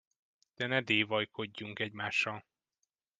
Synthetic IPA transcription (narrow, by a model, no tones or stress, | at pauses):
d̪̥ɛnɛd̪eːvɒjkʰo̞ɟːuŋkɛɟmaːʃːɒl